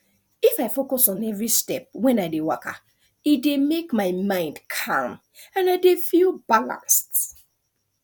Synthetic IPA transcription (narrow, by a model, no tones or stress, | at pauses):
ifaɪfokɔsɔ̃nɛvɹistɛp̚wɛ̃naɪdewaka̰ | idemekmaɪmãɪ̃ndkʰã̰m | ãnaɪdefilˠbalã̰nst